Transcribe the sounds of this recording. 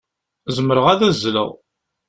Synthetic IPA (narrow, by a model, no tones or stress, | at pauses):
zəməɾəʁæðæzːlə̰ʁ